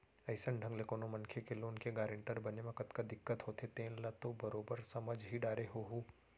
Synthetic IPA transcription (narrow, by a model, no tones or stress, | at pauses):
ɐɪsəɳɖʱɐ̃ŋɡlekoːnomɐnkʰekeloːnkeɡaːɾẽɳʈəɾbɐnemɐ̃kɐt̪kad̪ɪkːət̪ɦoːt̪ʰet̪ẽːnlɐt̪obɐɾoːbəɾsɐməd͡ʒɦiɖaːɾeɦoɦuː